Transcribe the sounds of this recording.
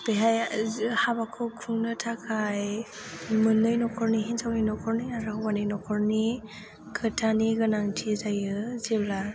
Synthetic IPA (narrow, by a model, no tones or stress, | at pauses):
b̥eɦajhabakʰɔkʰuŋnɯtʰakʰaj | mɯnːɯjnɔkʰɔɾniɦinzawninɔkʰɔɾniaɾɯwanɯjnɔkʰɔɾni | kʰɯtʰaniɡɯnaŋtʰizajɯzebla